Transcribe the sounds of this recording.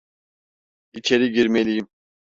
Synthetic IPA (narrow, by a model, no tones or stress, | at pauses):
it͡ʃʰeɾiɟiɾmelijim